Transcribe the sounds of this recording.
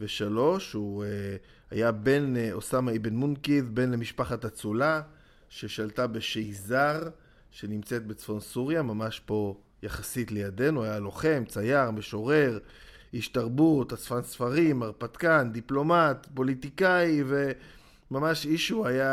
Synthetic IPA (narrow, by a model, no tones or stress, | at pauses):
veʃalo̞ʃu | a̰jabe̞nosamaibenmunkiðbe̞nlemiʃpaχatat͡sula | ʃe̞ʃaltabe̞ʃejzaʁ | ʃe̞nimt͡se̞t̪̚be̞t͡sfo̞nsuʁjamamaʃpo̞ | jaχasitlejad̪e̞nuajalo̞χe̞mt͡sajaʁmeʃo̞ʁe̞ʁ | iʃtaʁbutat͡sfansfaʁimaʁpat̪kand̪iplo̞matpo̞litikaive̞ | mamaʃiʃuaja